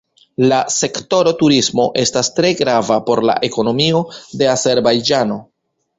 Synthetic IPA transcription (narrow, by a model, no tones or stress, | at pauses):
lase̞kto̞ɾo̞tuɾismo̞ʔe̞stastɾe̞ɡɾavapo̞ɾla̰ʔe̞ko̞no̞mio̞de̞ase̞ɾbajd͡ʒano̞